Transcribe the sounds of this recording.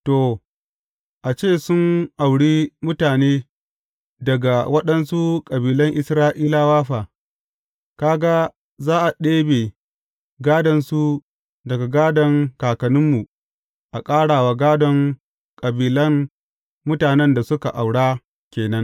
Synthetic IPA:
toː˨ | ʔa˨t͡ʃeː˦˨sʊ˦nʔa˨wɽiː˦mʊ˦taː˨neː˦ | dɐ˨ɡa˨wɐ˦ɗɐ˦nsu˦kʼɐ˨biː˨lɐ˦ŋʔɪ˦sɾaː˦ʔiː˦laː˦waː˦ɸaː˨ | kaː˦ɡa˦ | zaː˦ʔa˨ɗeː˦beː˨ | ɡaː˦dɐ˨nsu˦ | dɐ˨ɡa˨ɡaː˦dɔ˨ŋkaː˨kɐ˨nʊ˦mːu˨ | ʔa˨kʼaː˦ɽaː˨wa˨ɡaː˦dɔ˨ŋ | kʼɐ˨biː˨lɐ˦ŋ | mʊ˦taː˨nɛ˦nda˨sʊ˦ka˨ʔa˨wɽaː˦ | kʲeː˨nɐ˦ŋ

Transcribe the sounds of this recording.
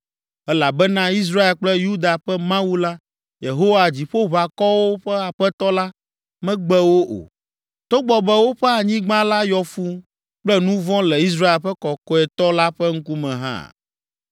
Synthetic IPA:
ɛ˦la˨bɛ˦nã˦i˦s̬ɾa˦e˨lk͡plɛ˦ju˦d̪a˨ɸɛ˦mã˦wu˦la˦ | je˨ɦo˦wa˨d͡ʑi˨ɸo˦βa˨kɔ˦wo˦ɸɛ˦a˨ɸɛ˦t̪ɔ˦la˦ | mɛ̃˦ɡ͡bɛ˦wo˦ʔo̰˨ | t̪o˦ɡ͡bɔ˨bɛ˨wo˦ɸɛ˦a˨ɲĩ˦ɡ͡bã˦la˦jɔ˨fu˦ | k͡plɛ˦nũ˦vɔ̃˦lɛ˨i˦s̬ɾa˦e˨lɸɛ˦kɔ˨kɔ˦ɛ˨t̪ɔ˦la˦ɸɛ˦ŋ̩˦ku˦mɛ̃˨ɦã̰˦˨

